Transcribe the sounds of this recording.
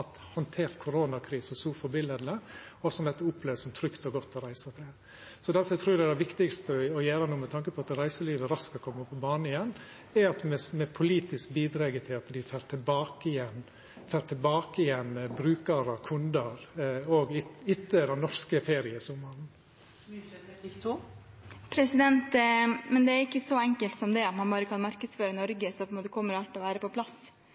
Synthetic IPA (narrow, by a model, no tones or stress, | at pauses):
ɑt̪ | hɑnt̪ʰeːɾt̪kʰʊɾoːnɑkʰɾiːsɔsuːfɔbɪlɛd̪lə | ɔsɔmd̪ɛt̪ːəʊpʰleːʋəsɔmt̪ʰɾʏkt̪ɔɡɔt̪ːɔɾæɪsɑt̪ʰɛ | sɔd̪ɛsɔmɛɪt̪ʰɾuːɾɛd̪ɛʋɪkt̪ɪkst̪əɔjeːɾənuːmɛt̪ʰɑŋkəpʰɔɑt̪ɾæɪsəliːʋəɾɑskɔkʰɔmːəpʰɔbɑːɳəɪjɛnː | ɛɑt̪mɛmɛpʰʊliːt̪ɪskbiːd̪ɾɑɡət̪ʰɪlɑt̪d̪ɪfæːɾʈ̪ʰɪbɑːkəɪjɛn | fæːɾt̪ʰɪlbɑːkəɪjɛnbɾʉːkɑɾɑkʰʉnd̪əɾoɡɪɪt̪ːəd̪ɛnnɔʂkəfeːɾɪəsʊmɑɾn̩ | pʰɾɛsɪd̪ɛnt̪mɛnd̪ɛæɾɪkːəsɔɛŋkəlt̪sɔmd̪ɛɑt̪mɑnbɑːɾəkʰɑnmɑɾkəd̪sføːɾənɔɾɡəsɔpɔɛnmoːt̪əkʰɔmːəɾɑlt̪ɔʋæːɾəpɔpʰlɑs